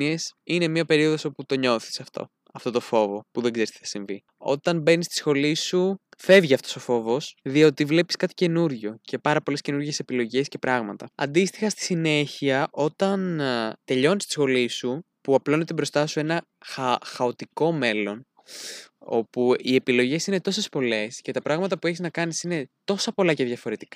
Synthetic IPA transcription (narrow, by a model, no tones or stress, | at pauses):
iesine̞miɐpe̞ɾio̞ðo̞so̞put̪o̞ɲo̞θi̥sɐft̪o̞̰ | ɐft̪o̞t̪o̞fo̞vo̞puðeɡze̞ɾist̪iθɐ̥siɱvḭ | o̞̰t̪ɐnbe̞nist̪i̥sxo̞lisufe̞vʝiɐft̪o̞so̞fo̞vo̞sðio̞t̪ivle̞pi̥skɐt̪i̥ce̞nuɾʝo̞ce̞pɐɾɐpo̞le̞sce̞nuɾʝe̞se̞pilo̞ʝe̞scepɾɐɣmɐt̪ɐɐ̰nd̪ist̪ixɐst̪i̥sine̞çiɐʔo̞t̪ɐnt̪e̞ʎo̞nist̪i̥sxo̞lisu | puɐplo̞ne̞t̪ebɾo̞st̪ɐsue̞nɐ | xɐxɐo̞t̪iko̞me̞lon | o̞̰puie̞pilo̞ʝe̞sine̞t̪o̞se̞spo̞le̞sce̞t̪ɐpɾɐɣmɐt̪ɐpue̞çiznɐkɐnisine̞t̪o̞sɐpo̞lɐceðʝɐfo̞ɾe̞t̪i̥kɐ